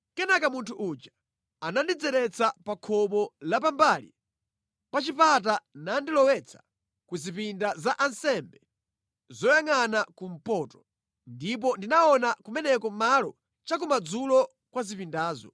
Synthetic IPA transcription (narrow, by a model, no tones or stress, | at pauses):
kɛnakamuntʰuʔud͡ʒa | anandid͡zɛɾɛt͡sʰapakʰɔɓɔlap̬ambalḭ | pat͡ʃipat̬anandilɔwɛt͡sʰḁ | kuzipindazaʔansɛmbɛ | zɔjaŋanakum̩pɔtɔ̥ | ndip̬ɔndinaɔnakumɛnɛkɔmalɔ | t͡ʃak̬umad͡zulɔ | kwazipindaːzɔ̰